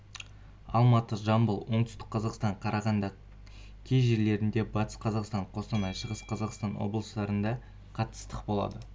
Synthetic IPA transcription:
ɑ̰lˠmɑt̪əʒɑmbəlˠwo̞ɴt̪ʏst̪ɪ̥k̚qːʰɑzɑqst̪ɑɴqʰɑɾʔɑʁɑnd̪ɑ | kʲʰejʒe̞ɾle̞ɾɪnd̪e̞bɑt̪ə̥sqʰɑzɑqst̪ɑɴqʰo̞sənɑjʃəʁəsqʰɑzɑqst̪ɑnwo̞̰blˠəsd̪ɑɾənd̪ɑ | qʰɑt̪ːə̥st̪əqbo̞lˠɑ̰d̪ə

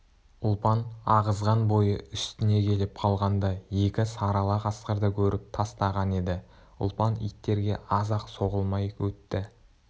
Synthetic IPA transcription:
ʊlˠpɑnɑʁəzʁɑnbo̞jəʏst̪ɪne̞kʲʰe̞lɪp̚qʰɑlˠʁɑnd̪ɑje̞kʲɪsɑɾɑlˠɑqʰɑsqəɾd̪əkʲʰɵɾɪp̚t̪ʰɑst̪ɑʁɑne̞d̪ɪ | ʊ̰lˠpɑnḭjt̪ːe̞ɾɡʲe̞̰ʔɑzɑqso̞ʁəlˠmɑjwɵt̪ːɪ

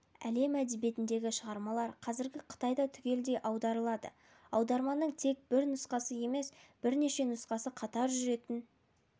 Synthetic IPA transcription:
æ̰le̞mæd̪ebje̞t̪ɪnd̪e̞ɡʲɪʃəʁɑɾmɑlˠɑɾqʰɑzɪɾɡʲɪqʰə̥t̪ɑjd̪ɑt̪ʰʏkʲe̞ld̪e̞jʔɑwd̪ɑɾəlˠɑd̪ə̰ | ɑwd̪ɑɾmɑnːəɴt̪ʰe̞k̚bɪɾnʊsqɑsəje̞me̞sb̥ɪɾne̞ʃe̞nʊsqɑsəqʰɑt̪ɑɾʒʏɾe̞t̪ɪn

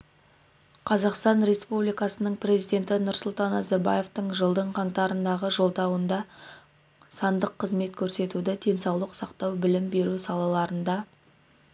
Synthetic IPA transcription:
qʰɑzɑqst̪ɑnɾe̞spublijkɑsənəɴpre̞zijd̪ʲe̞nt̪ɪnʊɾsʊlˠt̪ɑnːɑzɑɾbɑ̰je̞ft̪əɴʒəlˠd̪əɴqʰɑŋt̪ɑɾənd̪ɑʁəʒo̞lˠd̪ɑwənd̪ɑ | sɑnd̪əqʰːəzme̞t̪kʲʰɵɾse̞t̪ud̪ɪd̪e̞nsɑwlˠəqsɑqt̪ɑwbɪlɪmbe̞ɾusɑlˠɑlˠɑɾənd̪ɑ

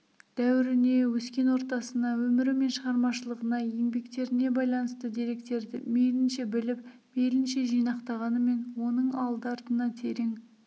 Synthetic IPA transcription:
d̪̥æwɪɾɪne̞wɵskʲe̞nwo̞ɾt̪ɑsənɑwɵmɪɾɪme̞nʃəʁɑɾmɑʃəlˠəʁənɑjeŋbe̞kt̪e̞ɾɪne̞bɑjlˠɑnəst̪əd̪eɾe̞kt̪e̞ɾd̪ɪ̰me̞lɪnʃe̞bɪlɪp | me̞lɪnʃe̞ʒijnɑqt̪ɑʁɑnəme̞nwo̞nəɴɑlˠd̪əɑɾt̪ənɑt̪ʰe̞ɾeŋ

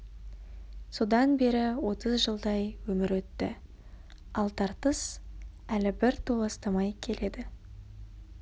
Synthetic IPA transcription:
so̞d̪ɑnbe̞ɾɪwo̞t̪əzʒəlˠd̪ɑjwɵmɪɾwɵt̪ːɪ | ɑlˠt̪ʰɑɾt̪əs | ælɪbɪɾt̪ʰolˠəst̪əmɑjkʲʰe̞le̞d̪ɪ

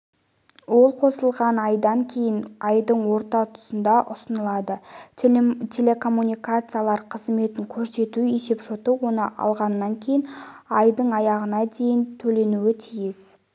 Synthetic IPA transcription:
wo̞lˠqʰo̞səlˠʁɑnɑjd̪ɑŋkʲʰe̞jɪnɑjd̪əɴwo̞ɾt̪ɑt̪ʰʊ̥sənd̪ɑʔʊsənəlˠɑd̪ə | t̪ʲʰe̞lʲe̞kʰo̞mːunʲijkat̪sɨjalˠɑɾqʰəzme̞t̪ɪŋkʲʰɵɾse̞t̪uese̞pʃot̪əwo̞nəʔɑ̰lˠʁɑnːɑŋkʲʰe̞jɪn | ɑjd̪əɴɑjɑʁənɑd̪e̞jɪnt̪ʰɵle̞nuɪt̪ʰijɪz̥

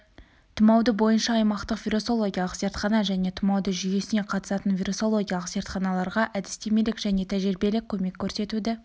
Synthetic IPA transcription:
t̪ʰəmɑwd̪əbo̞jənʃɑːjmɑqt̪əqfʲiɾo̞so̞lˠo̞ɡʲijɑlˠəqse̞ɾt̪χɑnɑʒæne̞t̪ʰəmɑwd̪əʒʏje̞sɪne̞qʰɑt̪ə̥sɑt̪ənvʲiɾuso̞lˠo̞ɡʲijɑlˠəqze̞ɾt̪χɑnɑlˠɑɾʁɑʔæd̪ɪst̪e̞me̞lɪkʒæne̞t̪ʰæʒɪɾbe̞lɪkʲʰːɵme̞kʲʰːɵɾse̞t̪ud̪ɪ

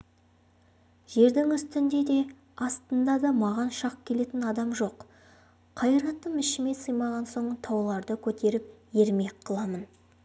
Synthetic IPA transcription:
ʒ̥e̞ɾd̪ɪŋʏst̪ɪnd̪e̞d̪e̞ | ɑst̪ənd̪ɑd̪ɑmɑʁɑnʃɑq̚kʲʰe̞le̞t̪ɪnɑd̪ɑmʒo̞q | qʰɑjɾɑt̪ːəmɪʃɪme̞səjmɑʁɑnso̞ɴət̪ʰɑwlˠɑɾd̪əkʲʰɵt̪e̞ɾɪp̚je̞ɾme̞kqʰːəlˠɑmən

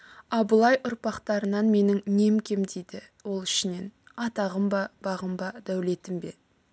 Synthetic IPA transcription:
ɑbəlˠɑjʔʊɾpɑqt̪ɑɾənɑnme̞nɪŋne̞mkʲʰe̞md̪ejd̪ɪ | wo̞lˠɪ̥ʃɪne̞n | ɑt̪ɑʁəmbɑbɑʁəmbɑd̪æwle̞t̪ɪmbe̞

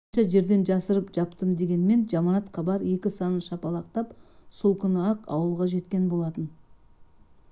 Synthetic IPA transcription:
nʃɑʒe̞ɾd̪e̞nʒɑsəɾəpʒɑpt̪əmd̪e̞ɡʲe̞nme̞nʒɑmɑnɑt̪qʰɑbɑɾe̞kʲɪsɑnəʃɑpɑlˠɑq̚t̪ɑpsolˠkʲʰʏnəɑqɑ̰wəlˠʁɑʒe̞t̪kʲe̞nbo̞lˠɑt̪ən

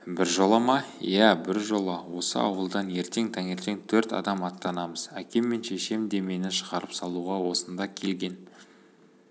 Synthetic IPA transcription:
bɪɾʒolˠɑmɑjæbɪɾʒo̞lˠɑwo̞sə̰ɑ̰wəlˠd̪ɑnje̞ɾt̪e̞ŋt̪ʰæŋe̞ɾt̪e̞ŋt̪ʰɵɾt̪ɑ̰d̪ɑmɑt̪ːɑnɑməz̥ækʲe̞mːe̞nʃeʃe̞md̪e̞me̞nɪʃəʁɑɾəpsɑlˠuʁɑwo̞sənd̪ɑkʲʰe̞lɡʲe̞n

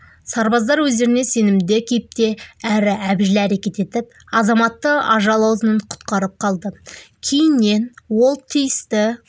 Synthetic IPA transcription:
sɑɾbɑzd̪ɑɾwɵzd̪e̞ɾɪne̞se̞nɪmd̪ɪkʲʰe̞jɪp̚t̪e̞æɾɪæbʒɪlɪæɾe̞kʲe̞t̪e̞t̪ɪp̚ | ɑzɑmɑt̪ːəɑʒɑlˠɑwzənəɴqʰʊ̥t̪qɑɾəp̚qʰɑlˠd̪əkʲʰe̞jɪnːe̞nwo̞lˠt̪ʰijɪst̪ɪ

